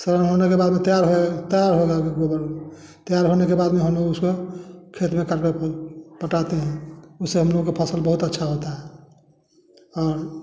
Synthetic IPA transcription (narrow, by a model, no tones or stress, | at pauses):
səɾanɦonekebad̪met̪əjaɾɦot̪əjaɾɦoɡakeɡobəɾ | t̪jaɾɦonekebad̪meɦəmnouskokʰet̪mekaɾkepəʈat̪eɦɛ̃useɦəmnokepʰəsəlbəɦut̪ətːʃʰaɦot̪aɦɛ | ɔːɾ